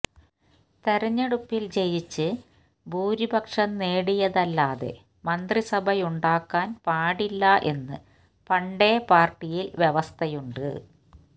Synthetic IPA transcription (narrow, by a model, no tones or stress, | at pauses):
t̪e̞ɾɐɲːɐɽupːilt͡ɕe̞jit͡ɕːɨ | bʱuːɾibʱɐkʂɐnneːɽijɐðɐlːaːðe̞̰ | mɐnd̪risɐbʱɐjuɳɖaːkːaːnpaːɽilːɐʔe̞nːɨ | pɐɳɖe̞ːpaːrʈːijilʋjeʋɐst̪ʰɐjuɳɖɨ̰